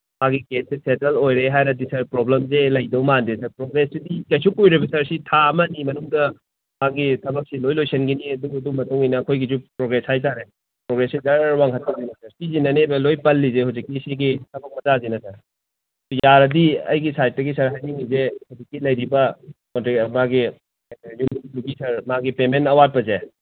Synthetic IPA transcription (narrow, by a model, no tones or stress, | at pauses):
maɡikesisetelojɾeɦajnɐdisɐɾpɾoblemzelɐjdɐwmandesɐɾpɾoɡɾesidikesukujɾibɐsɐɾsitʰamɐnimɐnuŋdɐ | maɡitʰɐbɐk̚silojlojsɐnɡiniɐduɐdumɐtuŋinɐːkʰojɡizupɾoɡɾeshajt̬aɾe | pɾoɡɾesizɐɾɾwaŋɦɐtazinɐsɐɾsizinɐnebɐlojpɐlːizehuwzikːiseɡitʰɐbɐk̚mɐtazinɐsɐɾ | sujaɾɐdiɐ̰jɡisajt̚dɐɡisɐɾɦajniŋizehud͡ʒikːilɐjɾibɐkontimaɡi | jumluɡisɐɾmaɡipementɐwat̚pɐze